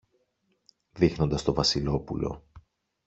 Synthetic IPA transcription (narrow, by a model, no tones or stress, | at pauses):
ðixno̞nd̪ɐst̪ovɐsilo̞pulo̞̰